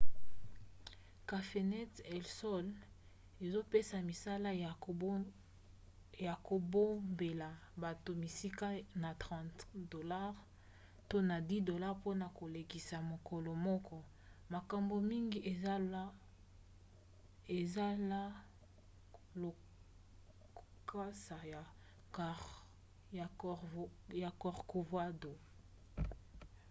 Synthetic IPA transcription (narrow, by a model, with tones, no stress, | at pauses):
ka˨fe˨nɛ˦tɛ˨lsɔ˦l | e˨zo˦pe˦sa˨mi˨sa˦la˦ | ja˨ko˨bo˦mbe˨la˨ba˨to˨mi˨si˦ka˦na˨tʁɑ̃˦tdo˨la˦ʁ | to˦na˨di˦do˨la˦ʁpo˦na˨ko˨le˨ki˨sa˨mo˨kɔ˨lɔ˨mɔ˦kɔ˦ | ma˨ka˨mbo˨mi˦ŋɡi˦ʔe˨˦ | e˨za˦la˦ | o˨ | kʰa˦sa˨ja˨ | ja˨ | ja˨kɔ˨ʁko˨vwa˦do˨